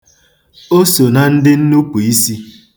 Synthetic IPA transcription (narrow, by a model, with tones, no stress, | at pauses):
o˦so˨na˨n̩˦dɪ˦n̩˦nu˦pu˨i˦si˦